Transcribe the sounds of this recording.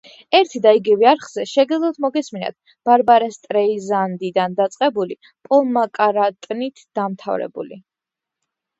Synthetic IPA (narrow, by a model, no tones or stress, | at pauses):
ɛɾt̪ʰd̪aiɡivɛaɾχz̥ɛʃɛɡɛzlˠɔt̪ʰmɔɡɛsmina̰t̪̚ʰ | b̥aɾbaɾɛst̪ʼɾɛizand̪id̪and̪at̪sʼqʼɛbuli | pʼɔlˠmakʼaɾat̪ʼnit̪ʰd̪̥amt̪ʰa̰vɾɛ̰bṵli